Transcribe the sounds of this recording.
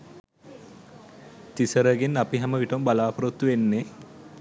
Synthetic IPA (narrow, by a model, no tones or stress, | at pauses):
t̪isəɾəɡenːapiɦɛməʋiʈəmbalaːpɐɾot̪ːuʋenːe